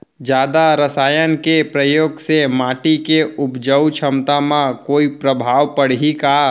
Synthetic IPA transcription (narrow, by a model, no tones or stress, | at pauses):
d͡ʒjaːd̪aɾəsaːjənkepɾəjoːɡsemaːʈikeʊpd͡ʒəwt͡ʃʰəmt̪amãkoːipɾəbʱaːʋpəɽɦika